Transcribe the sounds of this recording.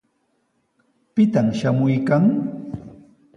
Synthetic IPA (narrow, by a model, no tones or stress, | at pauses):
pɪt̪amʃamʊjkaŋ